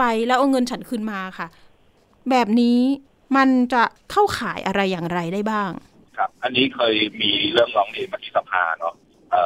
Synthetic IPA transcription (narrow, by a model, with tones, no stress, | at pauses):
pa˧jlɛː˦˥ʔa˧ŋɤ˧nt͡ɕʰa˦˥nkʰɯ˥˧nmaː˧kʰa˥˩ | bɛː˨˩p̚niː˦˥ | ma˧nt͡ɕa˨˩kʰa˥˩wkʰaː˩˦jʔa˧ɾa˧jːaː˨˩ŋɾa˧jdaː˥˩jbaː˥˩ŋ | kʰa˦˥p̚ʔa˧nːiː˦˥kʰɤː˧jmiː˧ɾɯ˥˩əŋɾɔː˦˥ŋleː˧nma˦˧t̪ʰi˦˥sa˧pʰa̰ː˧nɔ˦˥ | ʔɤː˨˩